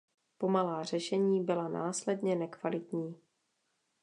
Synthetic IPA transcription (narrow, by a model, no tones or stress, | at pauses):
po̞malaːr̝̥ɛʃɛɲiːbɪlana̰ːslɛdɲɛnɛkvalɪt̪ɲiː